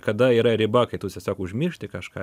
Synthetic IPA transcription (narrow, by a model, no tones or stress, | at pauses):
kɐd̪ɐiːɾɐɾʲɪbɐkɐɪt̪uːsʲɛsʲoːkʊʒʲmʲɪrʃʲt̪ʲɪkɐʃkɑ̰ː